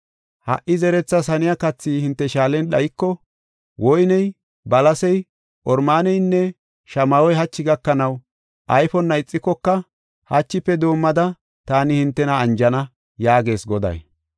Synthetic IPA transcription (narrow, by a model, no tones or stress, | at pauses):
hɐ̰ʔːɪzɛɾɛt͡sːɐsɐnɪjakɐt͡sːiːhɪnt̪ːɛʃaːlɛnɗɐjɪkːɔ | wɔjnɛj | bɐlɐsɛj | ʔɔɾmaːnɛjnːɛ | ʃɐmɐwɔjɦɐt͡ʃːɪɡɐkːɐnɐw | ʔɐjfɔnːɐɪt͡sʼːɪkːɔkːɐ | hɐt͡ʃːɪpːɛd̪o̞ːmːɐd̪ɐ | t̪aːnɪhɪnt̪ːɛnɐːnd͡ʒɐnɐ | jaːɡe̞ːsɡɔd̪ɐ̰j